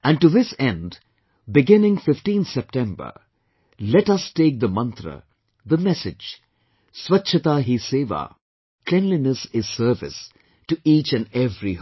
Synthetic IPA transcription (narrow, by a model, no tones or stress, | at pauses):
æ̃nʈuðɪsɛ̃nd | bɪɡɪ̃nɪ̃ŋfɪfʈĩnθsɛp̚ʈɛ̃mbə̰˞ | lɛʈʌsteːk̚d̪əmʌ̃nt̪ɾə̰ | ðəmɛsɪ̥d͡ʒ | swʌtːʃʰɨt̪aɦiseːʋa̰ː | kʰlɛ̃nlinəsɪz̥səːvɪ̰s | tuʔiːt͡ʃɨ̃nɛvɾi